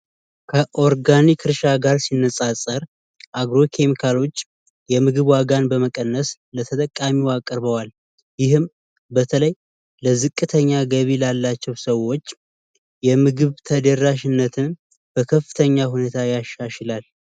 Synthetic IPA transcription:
kʰəʔo̞ɾɡanikʰɨɾʃaɡaɾsinːəsʼasʼəɾ | ʔaɡɾo̞kʰe̞mikʰalot͡ʃː | jɛmɨɡɨβwaɡanbəməkʼənːəs | lət̪ʰət̪ʼəkʼːamiwakʼəɾβəwal | jɪɦɨm | bət̪ʰələj | ləzɨkʼːɨt̪ʰəɲːaɡəβilalːat͡ʃːɛwsəwo̞t͡ʃː | jɛmɨɡɨβt̪ʰəd̪əraʃɪnːət̪ʰɨn | b̥əkʰəfɨ̥t̪ʰəɲːaɦune̞t̪ʰajaʃaʃɪlal

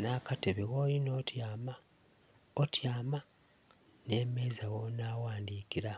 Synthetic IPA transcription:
nakateβeɣoːjinoːtjaːma | otjaːma | neːmeːzawonaːwaːndiːkiɾa

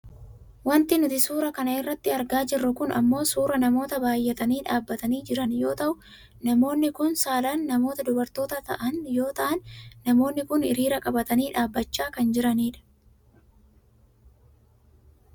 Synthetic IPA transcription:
wɐnt̪ɪnʊt̪ɪsuːɾɐkɐnɐɪrːɐt̪ːɪɐɾɡaːd͡ʒɪrːʊkʊnɐ̰mːo̞ːsuːɾɐnɐmo̞ːt̪ɐbaːjːɛt̪ɐniːᶑaːbːɐt̪ɐniːd͡ʒɪɾɐnjo̞ːt̪ɐʔʊ | nɐmo̞ːnːɪkʊnsaːlɐnːɐmo̞ːt̪ɐd̪ʊbɐɾt̪o̞ːt̪ɐt̪ɐʔɐnjo̞ːt̪ɐʔɐnːɐmo̞ːnːɪkʊnɪɾiːɾɐkʼɐbɐt̪ɐniːᶑaːbːɐt͡ʃːaːkɐnd͡ʒɪɾɐniːᶑɐ̥

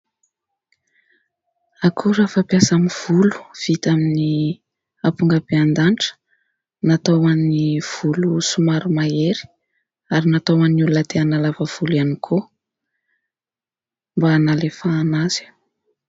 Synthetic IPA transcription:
akʰuɾafapjasamiv̥ulu̥v̥it̪amini | apuŋɡəb̥eand̪anʈ͡ʂə̥ | nat̪owaniv̥ulusumaɾumaeɾi̥ | aɾinat̪owanulunət̪eanalavəv̥ulanikʰo | mbanalefaːnaz̥i̥

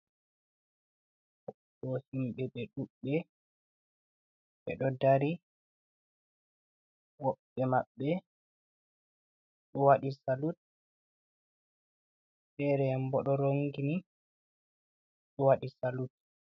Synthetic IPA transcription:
ɔ | ɗɔhimɓɛɓɛɗuɓːɛ | ɓɛ̰ɗɔdaɾi | wɔɓːɛmaɓːɛ | ɗɔwaɗisalut̚ | sɛɾɛambɔɗɔɾoŋɡini | ɗɔwaɗisalut̚

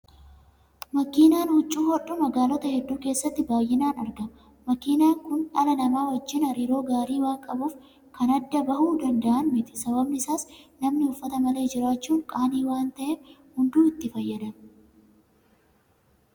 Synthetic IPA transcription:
mɐkiːnaːnhʊt͡ʃʼːuːhɔᶑːʊmɐɡaːlɔt̪ɐhɛd̪ːuːke̞ːsːɐt̪ːɪbaːjːɪnaːnɐɾɡɐm | mɐkiːnaːŋkʊnɐlɐnɐmaːwɐd͡ʒːɪnɐɾiːɾo̞ːɡaːɾiːwaːŋkʼɐbuːf | kɐnɐd̪ːɐbɐhuːd̪ɐnd̪ɐʔɐnmɪt̪ɪ̥sɐbɐbnɪɪsaːsnɐmnɪʊfːɐt̪ɐmɐle̞ːd͡ʒɪɾaːt͡ʃːuːŋkʼaːniːwaːnt̪ɐʔɛhʊnd̪uːɪt̪ːɪfɐjːɐd̪ɐm

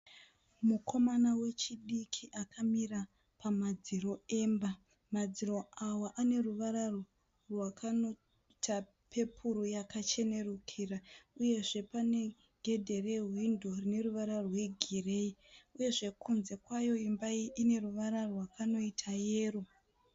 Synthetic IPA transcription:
mukʰo̞manawe̞t͡ʃiɗikʰiʔakʰamira | pamad͡ziro̞emba | mad͡ziro̞awaʔane̞ruʋaɾaro̞ | rwakʰano | ta | pʰe̞pʰuɾujakat͡ʃe̞ne̞rukʰiːrauje̞ʐe̞pane̞ | ɡʱe̞dʱe̞re̞ɦwindo̞rine̞ruʋaɾawe̞ɡʱire̞iuje̞ʐe̞kʰunze̞kwajo̞imbaiine̞ruʋaɾarwakano̞itʰaje̞ːro

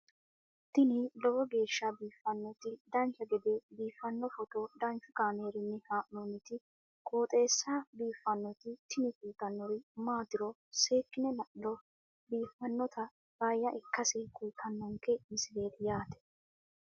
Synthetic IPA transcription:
t̪ɪnɪlɔbɔɡe̞ːʃːɐbiːfːɐnːɔt̪ɪd̪ɐnt͡ʃɐɡɛd̪ebiːfːɐnːɔfɔt̪ɔd̪ɐnt͡ʃʊkaːneːɾɪnːɛhaːʔnonːɪt̪ɪ | kʼoːt̪ʼe̞ːsːaːbiːfːɐnːɔt̪ɪt̪ɪnɪkuːt̪ːɐnːɔɾɪmaːd̪ɪɾɔ | se̞ːkːɪnɛnɐʔlɔ | biːfːɐnːɔt̪ʰɐ | b̥aːjːɐʔɪkːɐsɪkuːt̪ʰɐnːɔŋkɛmɪsɪle̞ːt̪ɪjaːt̪ɛ̥

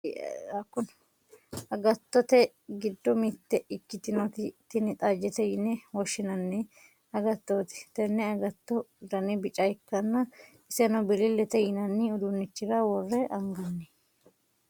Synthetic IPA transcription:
ɐkːʊn | ɐɡɐt̪ːɔt̪ɛ | ɡɪd̪ːɔmɪt̪ːɛʔɪkːɪt̪ɪnɔt̪ɪt̪ːɪnɪt̪ʼad͡ʒɛt̪ɛjɪnːɛwɔʃːɪnɐnːɛ | ɐɡɐt̪ːot̪ɛ̥t̪ɛnːɛɐɡɐt̪ːɔd̪ɐnɪbɪt͡ʃʼɐjkːɐnːɐ | ɪsɛnɔbɪlɪlːɛt̪ɛjɪnɐnːɪʊd̪unːɪt͡ʃːɪɾɐwɔrːɛʔɐŋɡɐnːɛ

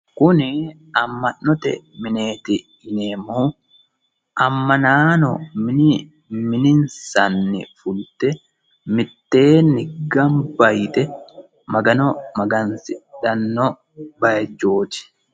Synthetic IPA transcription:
kʊnɪ | ɐmːɐnːɔt̪ɛ̰mɪne̞ːt̪ɪ | ɪneːmuː | ʔɐmːɐnaːnɔmɪnɪ | mɪnɪnsɐnːɪ̰fʊlt̪ɛ | mɪt̪ːeːnːɪɡɐmbɐjt̪ɛ | mɐɡɐnɔmɐɡɐnsɪᶑɐnːɔ | bɐjɐd͡ʒo̞ːt͡ʃ̪ɪ̥

